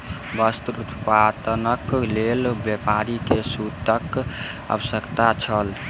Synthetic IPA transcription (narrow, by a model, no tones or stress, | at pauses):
bəst̪uɾut̪pad̪ənəklelbjepaɾikesut̪ək | ə̰bəsəkt̪at͡ʃʰəl